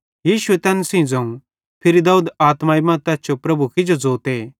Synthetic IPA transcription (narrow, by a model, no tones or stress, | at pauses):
jiːʃuet̪ɛːnsĩd͡zɐ̃ũ | pʰɪɾid̪aːuːd̪aːt̪maːimɐ̃t̪ɛːst͡ʃopɾɐbukɪd͡ʒod͡zoːt̪eː